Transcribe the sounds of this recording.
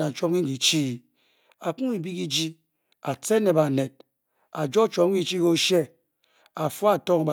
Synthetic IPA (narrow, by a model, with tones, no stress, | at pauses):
na˨t͡ʃo˦p̚ki˦ŋ̩˦i˨t͡ʃi˦˨ | a˨k͡pu˦i˨bi˦ki˦d͡ʒi˦ | a˨t͡se˦ne˨ba˨ne˨d̚ | a˨d͡ʒo˦t͡ʃo˨˦ki˦t͡ʃi˦ko˦ʃe˦ | a˨fu˦a˨to˦ŋ˨ba˨